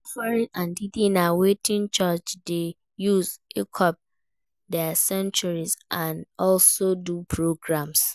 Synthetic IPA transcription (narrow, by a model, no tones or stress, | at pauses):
ɔfaɹĩnãndidĩnawetʰĩnt͡ʃat͡ʃde | juzekʰɔp̚ | dɛsɛ̃nt͡ʃɔɹizʔãnɔlsodupʰɹoɡɹãms